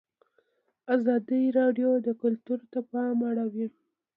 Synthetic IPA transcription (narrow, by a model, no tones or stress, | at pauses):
azɑd̪iɾɑɖjod̪əkʊlt̪uɾt̪apɑmaɽawi